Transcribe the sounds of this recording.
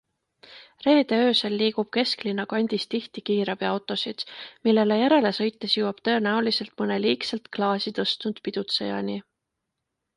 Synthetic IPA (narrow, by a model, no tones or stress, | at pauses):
re̞ːd̪̥e̞øːselːiːɡ̥ub̥ke̞sklinːɑkɑnʲd̪̥ist̪iht̪ikiːɾɑb̥iɑwt̪ːˑo̞sid̪̥milːe̞le̞jæɾe̞le̞sɤ̞jt̪ːˑe̞sjuwɑb̥̚t̪ɤ̞e̞næulise̞lt̪mɤneliːkselt̪klɑːsit̪ɤst̪nud̪̥pid̪̥ut̪sejɑ̰ni